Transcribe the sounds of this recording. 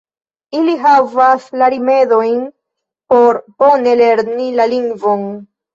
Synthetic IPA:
iliɦavaslaɾime̞do̞jn | po̞ɾbo̞ne̞le̞ɾnilaliŋɡvo̞n

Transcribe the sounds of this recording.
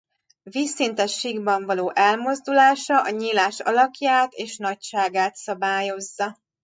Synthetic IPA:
viːsːint̪ɛʃːiɡbɒɱvɒloːʔɛlmo̞zd̪ulaːʃɒʔɒɲiːlaːʃɒ̰lɒkjaːt̪eːʃnɒcʃaːɡaːt̪sɒbaːjo̞zːɒ

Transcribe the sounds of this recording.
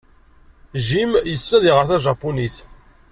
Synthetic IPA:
ʒimjəsɾæðiʁəɾθæʒɑpːuniθ

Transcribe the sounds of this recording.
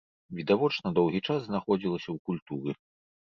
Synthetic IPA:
vʲid̪avɔt͡ʂnɐd̪ɔwɣʲit͡ʂasznaxɔd͡zʲilˠɐsʲɐwkulʲt̪uɾɨ

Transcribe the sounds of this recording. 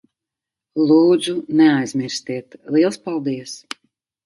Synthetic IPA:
lˠuːd̪zunɛajzmʲiɾsʲt̪iɛt̪lˠiɛlˠspalˠd̪iəs

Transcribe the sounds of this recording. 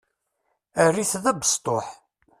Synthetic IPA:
ærːiθðæbə̥st̪ˤoħ

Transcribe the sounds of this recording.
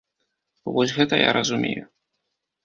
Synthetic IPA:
vɔsʲɣɛt̪ɐja̰ɾɐzumʲeju

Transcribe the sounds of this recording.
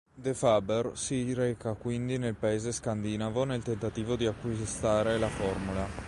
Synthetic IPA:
d̪efabersiɾɛːkakwind̪inelpaeːzeskand̪inavonelt̪ent̪at̪iːvod̪iakːwist̪aːɾelafɔrmula

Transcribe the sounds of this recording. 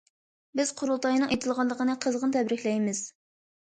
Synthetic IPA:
bɪz̥qʰʊɾulˠt̪ʰɑjnɨŋʔet̪ʰɨlˠʁɑllˠːəqʰənɨqʰəzʁənt̪ʰɛbɾɪkʲlɛjmɪz̥

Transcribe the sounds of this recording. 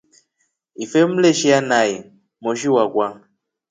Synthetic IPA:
ifem̩leʃianai | moʃ̬iwakwaŋ

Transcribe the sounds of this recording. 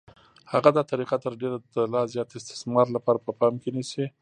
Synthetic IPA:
haɣad̪ɑt̪aɾiqat̪əɾɖeɾad̪əlɑzjɑt̪ɪst̪ɪ̥smɑɾlapɑɾapəpɑmkenisi

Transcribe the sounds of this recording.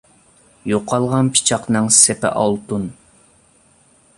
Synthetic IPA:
joqʰːɑlˠʁɑnpʰi̥t͡ʃʰɑqnɨŋsepɪ̰ʔɑlˠt̪un

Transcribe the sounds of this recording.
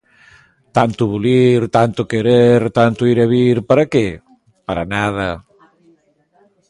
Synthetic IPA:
t̪ant̪uβuliɾt̪ant̪ukeɾeɾt̪ant̪uiɾaβiɾpaɾake | paɾanað̞ɐ

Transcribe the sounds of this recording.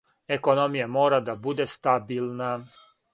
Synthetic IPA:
eko̞no̞mijamo̞ːɾad̪abud̪est̪abilˠna

